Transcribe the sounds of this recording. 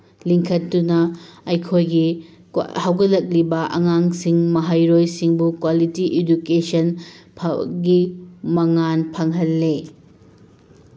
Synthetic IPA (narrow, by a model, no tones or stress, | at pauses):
liŋkʰɐtːunɐɐjkʰojɡi | hawɡɐlːɐk̚libɐʔɐ̰ŋaŋsiŋmɐɦajɾojsiŋbukwalitiʔedukesɐnpʰɡimɐŋanpʰɐŋɦɐlːe